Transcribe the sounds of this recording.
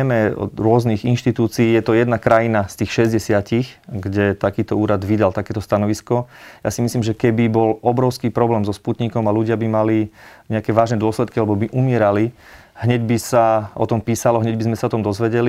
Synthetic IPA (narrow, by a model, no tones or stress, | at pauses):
ɛmɛɔ̰ɾʊɔzniɣinʃt̪it̪uːt͡siːjɛt̪ɔjɛd̪nakɾajinast̪iːxʃɛzɟɛsɪacixɡɟɛt̪akiːt̪ɔuːɾad̪ʋid̪alt̪akɛːt̪ɔst̪anɔʋiskɔja̰ːsimisliːmʒɛkɛbibɔlɔbɾɔʊskiːpɾɔblɛːmzɔsput̪ɲikɔmaluɟɪabimaliɲɛakɛʋaːʒnɛd̪ʊɔslɛt̪kialɛbɔbiʔumɪɛɾali | ɦɲɛɟbisaʔɔ̰t̪ɔmpiːsalɔɦɲɛɟbizmɛsaɔt̪ɔmd̪ɔzʋɛɟɛli